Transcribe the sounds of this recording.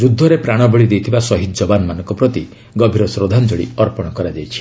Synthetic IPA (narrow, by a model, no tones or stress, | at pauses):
d͡ʒud̪ʱːɔɾepɾaɽ̃ɔbɔɭid̪ejt̪ʰibasɔɦit̪̚d͡ʒɔbanɔmanɔ̃ŋkɔpɾɔt̪i | ɡɔbʱiɾɔsɾod̪ʱand͡ʒoɽḭɔɾpɔɽ̃ɔkɔɾad͡ʒajt͡ʃʰi̥